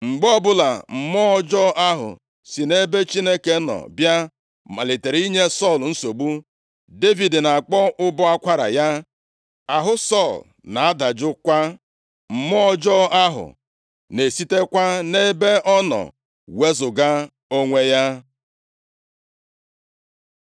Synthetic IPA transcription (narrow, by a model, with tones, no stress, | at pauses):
ŋ͡m̩˨ɡ͡bɔ˦bʊ˦la̰˨m̩˨mɔ˦ɔ˦d͡ʒɔ˦ʔa˦ɦʊ̰˨ | si˨ne˦be˦t͡ʃi˦ne˦ke˦nɔ̰˨bja˦ | ma˨le˨te˨ɾi˦ɲe˦sɔ˦˨ln̩˦so˨ɡ͡bu˦ | de˦vi˨dna˨a˨k͡pɔ˦ʔʊ˦bɔ˦a˦kʷa˦ɾa̰˨ja˦ | a˨ɦʊ˦sɔ˦˨l | na˨a˦da˨d͡ʒʊ˦kʷa˦ | m̩˨mɔ˦d͡ʒɔ˦a˦ɦʊ̰˨ | ne˨si˦te˦kʷa˦ne˦be˦ɔ˦nɔ̰˨ | we˦zʊ˨ɡa˦ | o˦ŋʷe˦ja˦